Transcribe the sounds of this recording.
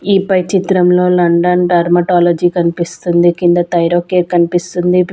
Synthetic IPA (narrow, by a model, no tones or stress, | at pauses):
iːpɐjt͡ʃit̪ɾɐmlo̞ːlɐɳɖɐnɖɐɾmɐʈaːlɐd͡ʒiːkɐnipist̪und̪ikind̪ɐt̪ɐjɾoːkeːkɐnipist̪und̪i